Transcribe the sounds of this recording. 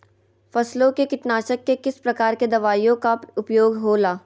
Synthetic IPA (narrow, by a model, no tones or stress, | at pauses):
fɐslõkekɪʈnaːʃəkːekɪspɾɐkaːɾked̪ɐʋaːjõkaʊpjoːɡɦoːlaː